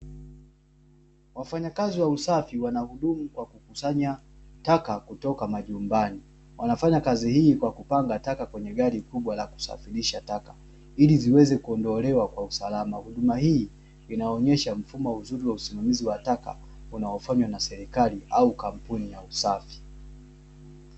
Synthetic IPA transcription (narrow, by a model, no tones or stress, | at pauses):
wafaɲakaziwausafiwanahuɗumukwakukusaɲa | takakutɔkamaʄumbani | wanafaɲakazihiːkwakupaŋɡatakakwɛɲɛɠaɾikuɓwalaku̥sa̰fiɾiʃataka | iliziwɛzɛkuɔndɔlɛwakwausalama̰huɗumahiː | inaɔɲɛʃam̩fumɔuzuɾiwausimamiziwataka̰ | unaɔfaɲwanasɛɾikaliaukam̩punijausafi̥